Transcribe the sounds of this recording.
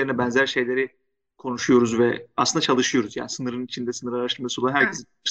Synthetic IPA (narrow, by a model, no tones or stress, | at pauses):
eɾinɛbɛnzæɾʃe̞jlʲe̞ɾi | kʰo̞nuʃujo̞ɾuzvɛa̰slɯnd̪at͡ʃʰalˠɯʃɯjo̞ɾuzja̰ːnisɯnɯɾɯnit͡ʃʰind̪ɛsɯnɯɾaɾaʃt̪ʰɯɾmasuolˠanɦæɾcʰezi | ʃ